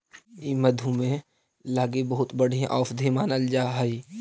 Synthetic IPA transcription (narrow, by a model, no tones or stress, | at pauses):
imɐd̪ʱumẽ | laːɡebɐɦʊt̪bɐɽ̤ĩʔɔːfd̪ʱemaːnəld͡ʒaːɦɐi